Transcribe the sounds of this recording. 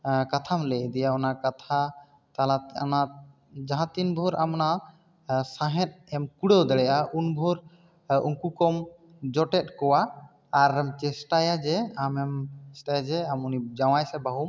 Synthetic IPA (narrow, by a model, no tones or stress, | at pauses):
kat̪ʰamlɛʔd̪ɛjaɔnakat̪ʰa | t̪alana | d͡ʒaɦãt̪inbʱɔɾamɔna | sãɦɛ̃t̪̚ɛmkuɽewd̪ɛɽɛjʔaʔunbʱɔɾ | uŋkukɔm | d͡ʒɔʈɛt̪̚ˀkɔwaː | ɾɛmt͡ʃɛsʈajad͡ʒɛamɛmsʈajad͡ʒɛamunid͡ʒaw̃ajsɛbaɦum